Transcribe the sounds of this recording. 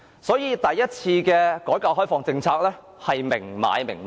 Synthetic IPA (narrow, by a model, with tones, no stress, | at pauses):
sɔː˨˥jiː˨˧t̪ɐ˨jːɐ˥t̚t͡sʰiː˧kɛː˧kɔː˨˥jkaː˧ɦɔː˥jfɔː˨˧ŋt͡sɪ˧ŋt͡sʰaː˧k̚lɛː˥ | hɐ˨jmɪ̰˨˩ŋma̰ː˨˧jmɪ˨˩ŋm˨